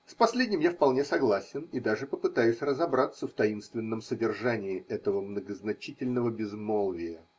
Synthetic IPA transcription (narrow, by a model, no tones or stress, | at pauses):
spɐsʲlʲedʲnʲɪmjafpɐlˠnʲesɐɡlˠasʲɪnid̪aʐɨpəpɨt̪ajʉsʲrəzɐbɾat̪səft̪ɐinst̪vʲɪnːəmsədʲɪrʐanʲɪːɛt̪əvəmnəɡəznɐt͡ɕitʲɪlʲnəvəbʲɪzmolˠvʲɪjə